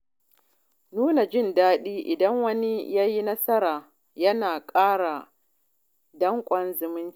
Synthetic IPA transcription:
nuː˦na˨d͡ʒɪ˦ndaː˦ɗiː˦ʔɪ˨dɐ˦ŋwɐ˦ni˦jaː˦ji˦nɐ˦sɐ˦ɾaː˨ | jɐ˦naː˨kʼaː˦ɽa˨ | dɐ˦ŋkʷʼɐ˦nzɪ˨mɪ˦n˦

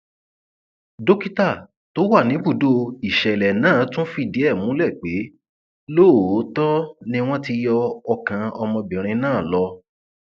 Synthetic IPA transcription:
do˦ki˦ta˦˨ | to˨˦wa˦˨nĩ˨˦bu˦˨do˧i˨ʃɛ˨lɛ˨nãː˦˨˦tũ˦fi˦˨di˨˦ɛ˦˨mũ˨˦lɛ˦˨k͡pe˨˦ | loː˦˨˦tɔ˦nĩ˧w̃ɔ̃˦ti˧jɔ˧ɔ˧kã˧ɔ˧mɔ̃˧bĩ˨ɾ̃ĩ˧nãː˦˨lɔ˧

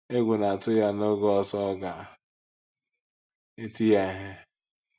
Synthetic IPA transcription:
e˦ɡʷʊ˨na˨tʊ˦ja˦no˦ɡɔ˨tɔ˦ɡa˨ | e˦ti˦ja˨ɦɪ˦

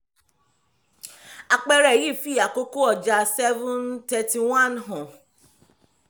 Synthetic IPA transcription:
a˨k͡pɛ˧ɾɛ˦˨ji˦˨fi˦˨a˨ko˦ko˦ɔ˦˨d͡ʒa˧sɛ˦vũ˦ntɛ˧ti˨w̃ã˦nɦɔ̃˨

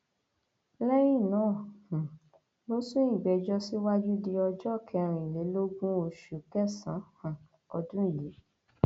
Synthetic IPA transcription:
lɛ˦ɾ̃ĩ˦˨nãː˨˦˨hũ˨ | mo˦sũ˦i˦˨bɛ˨˧d͡ʒɔ˦si˦wa˦d͡ʒu˦di˧ɔ˧d͡ʒɔ˦˨kʰɛ˧ɾ̃ĩ˨le˨˦lo˦ɡũ˦o˧ʃu˨kɛ˦˨sã˨˦hã˨ | ɔ˧dũ˦i˦˨le˨˦

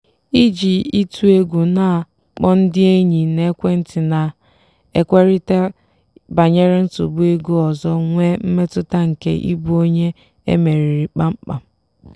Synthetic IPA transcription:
i˦d͡ʒi˨i˦tʰu˦e˦ɡʷu˨na˨ | k͡pɔ˦n̩˦dɪ˦e˦ɲi˨ne˦kʷe˦n̩˦tɪ˨na˨ | e˨kʷe˦ɾi˦te˦ | ba˨ɲe˦ɾe˦n̩˦tṵ˨bu˦e˦ɡu˦ɔ˨zɔ˦ŋʷe˦m̩˦me˦tʊ˦ta˦ŋ̩˨kḛ˦ʔḭ˦bu˦o˦ɲe˦ | ḛ˦me˨ɾi˨ɾi˨k͡pa˦ŋ͡m̩˦k͡pa̰˨

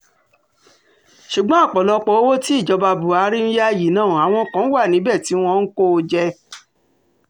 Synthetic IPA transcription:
ʃu˨ɡ͡bɔ̃˦a˦˨k͡pɔ˨lɔ˧k͡pɔ˨˦o˦wo˦ti˦i˦˨d͡ʒɔ˧ba˧bu˨a˨˦ɾi˦ñ̩˦ja˦ji˨nãː˦˨a˨w̃ɔ̃˧˦kã˨˦wa˦˨nĩ˨˦bɛ˦˨ti˨˦w̃ɔ̃˧n̩˦ko˦˧d͡ʒɛ˧

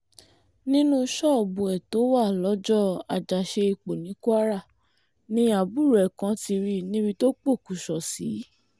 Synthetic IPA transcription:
nĩ˦nũ˦ʃɔ˦˨ɔ˨bu˨ɛ˨to˨˦wa˦˨lɔ˨˦d͡ʒɔ˦˨a˨d͡ʒa˨ʃe˧i˨k͡po˨nĩ˨˦ku˦a˦ɾa˦˨ | nĩ˦a˨bu˦˨ɾɛ˨kã˨˧˦ti˧ɾi˦nĩ˦bi˧to˦k͡po˦˨ku˨ʃɔ˨si˨˦

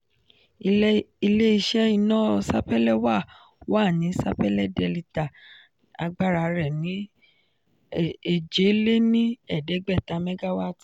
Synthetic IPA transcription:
i˧le˦i˧ʃɛ˦i˧nãː˦˧sa˦pɛ˦lɛ˦wa˦˨ | wa˦˨nĩ˨˦sa̰˦pɛ˦lɛ˦˨dɛ˧˨li˧ta˨ | a̰˧ɡ͡ba˦ɾa˧ɾɛ˨nĩ˨˦˨ | e˦˨d͡ʒe˨˦le˦nĩ˦ɛ˦˨dɛ˨˦ɡ͡bɛ˦˨ta˨˧mɛ˦ɡa˦wa˦˨ti˨

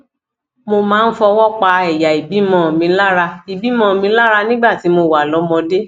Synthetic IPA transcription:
mo˧mãː˨˦n̩˦fɔ˧wɔ˦k͡pa˧ɛ˨ja˨i˨bi˨˦mɔ̃˧˨mĩ˨˧˦la˦ɾa˧i˨bi˨˦mɔ̃˦˨mĩ˧˦la˦ɾa˧nĩ˦ɡ͡ba˦˨ti˨˦mo˧˨wa˨lɔ˨˦mɔ̃˧de˦

